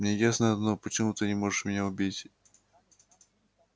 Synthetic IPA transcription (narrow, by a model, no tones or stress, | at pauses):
mnʲejasnəɐd̪nopət͡ɕɪmut̪ɨnʲɪmo̞ʐɨʂmʲɪnʲaʊbʲitʲ